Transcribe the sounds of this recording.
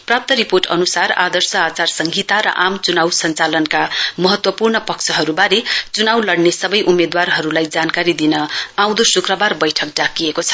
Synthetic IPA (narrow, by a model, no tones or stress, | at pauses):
prap̚t̪ʌɾiporʈʌ̰nusarad̪ʌrsʌat͡sarsʌŋɡʱit̪aɾʌ̰ʔamt͡sunawsʌnt͡salʌnkamʌɦʌt̪wʌpurnʌpʌkt͡sʰʌɦʌɾubaɾet͡sunawlʌɽnesʌbʌjʔumed̪warɦʌɾulajd͡zankaɾid̪inʌaw̃d̪osukrʌbarbʌjʈʰʌk̚ɖakiekot͡sʰʌ̥